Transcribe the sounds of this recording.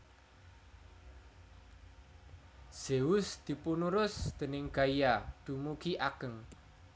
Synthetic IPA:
z̥eʊsd̪̥i̤punuɾʊsd̪̥ə̤nɪŋɡ̥aijad̪̥ṳmuɡiʔaɡ̥əŋ

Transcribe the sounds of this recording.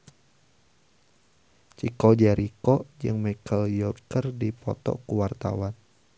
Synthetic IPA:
t͡ʃikɔd͡ʒaɾikɔd͡ʒɨŋmakəljɔrkərdipɔt̪ɔ̰kuwart̪a̰wan

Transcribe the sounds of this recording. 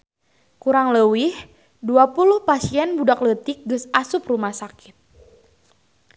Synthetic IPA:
kuɾaŋləwih | duapuluhpasiɛnbudaklət̪ik̚ɡɨsasuprumahsakit̪̚

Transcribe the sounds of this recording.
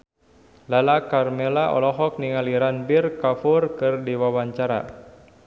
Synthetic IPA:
lalakarmɛlaʔɔ̰lɔɦɔk̚niŋaliɾanbirkafurkɨrdiwawaɲt͡ʃaɾa̰

